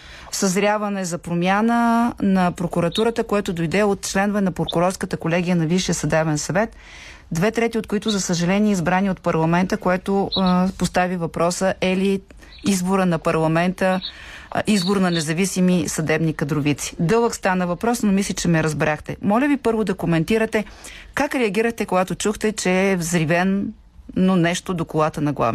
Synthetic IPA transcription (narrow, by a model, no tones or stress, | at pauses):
sɐzɾʲjavɐnɛzɐpɾomʲjanənɐpɾokuɾɐt̪uɾət̪əkojɛt̪ʊd̪ojd̪ɛot̪t͡ʃlɛnʊvɛnɐpɾokʊɾɔɾskət̪əkolɛɡ̟ijənɐviʃijəsɐd̪ɛvɛnsɐvɛt̪ | d̪vɛt̪ɾɛt̪iot̪̚kʊit̪ʊzɐsəʒɐlɛniɛizbɾaniot̪̚pɐɾlˠɐmɛnt̪əkoɛt̪opost̪avivɐpɾɔsəʔɛli | izboɾənɐpɐɾlˠɐmɛnt̪ə | ʔizboɾnɐnɛzɐvisimisɐd̪ɛbnikɐd̪ɾʊvit̪si̥d̪ɤlˠəkst̪anəvɐpɾɔsnomislʲit͡ʃɛmɛɾɐzbɾaxt̪ɛmɔlʲəvipɤɾvod̪ɐkomɛnt̪iɾət̪ɛkakɾɛɐɡʲiɾəxt̪ɛkoɡat̪ot͡ʃuxt̪ɛt͡ʃɛːvzɾivɛnː | onɛʃt̪od̪okolˠat̪ənɐɡlˠa̰v